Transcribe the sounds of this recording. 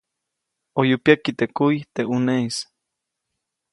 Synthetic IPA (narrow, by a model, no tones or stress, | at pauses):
ojupiakit̪ekuit̪eʔuneis